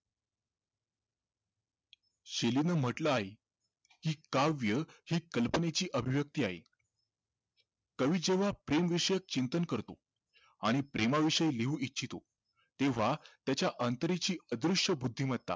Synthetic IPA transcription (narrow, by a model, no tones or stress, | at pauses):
ɕelinəːm̤əʈləaɦe | kiːkaʋjəhiːkəlpənet͡ɕiːʔəbʱiʋjək̚t̪iːaɦḛ | kəʋiːd͡ʑeʋ̤apɾemʋiʂəjək̚t͡ɕint̪ənkəɾt̪o | aɽ̃ipɾʔemaʋiʂəjleuːitːɕʰit̪o̰ | t̪eʋ̤at̪jat͡ɕjaʔənt̪əɾet͡ɕiːəd̪ɾuʂʈəbud̪ʱːim̤ət̪̚t̪a̰